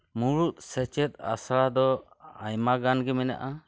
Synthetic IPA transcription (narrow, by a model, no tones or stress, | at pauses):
muɾut̪̚sɛt͡ʃɛt̪̚a̰sɭad̪ɔ | ajmaɡanɡɛmɛna̰ʔa